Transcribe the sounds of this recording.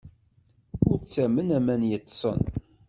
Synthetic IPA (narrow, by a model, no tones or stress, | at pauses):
ʊɾt͡sːæmənæmænjət̪ˤːsˤə̰n